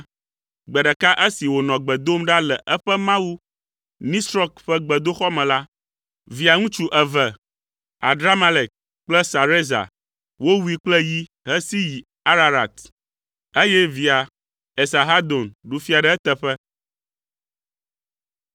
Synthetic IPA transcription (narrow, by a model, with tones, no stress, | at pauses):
ɡ͡bɛ˨ɖɛ˨ka˦ʔe˦si˨wo˨nɔ̃˨ɡ͡bɛ˨d̪o˦mɖa˦lɛ˨ʔɛ˦ɸɛ˦mã˦wu˦ | nĩ˦sɾɔ˦kɸɛ˦ɡ͡bɛ˨d̪o˦xɔ˦mɛ̃˨la˦ | vi˨a˨ŋũ˦t͡ʃu˦ʔɛ˨vɛ˨ | a̰˨dɾa˦ma˦le˨k̚ | k͡plɛ˦sa˨ɾe˦za̰˨ | wo˦wu˦i˦k͡plɛ˦ji˦ | ɦɛ˦si˦ji˨ | a˦ɾa˨ɾa˨t̪ | e˦jɛ˦vi˨a˨ | ɛ˨sa˨ɦa˦d̪o˨nɖu˦fi˦a˨ɖɛ˦ɛ˦t̪ɛ˨ɸɛ˦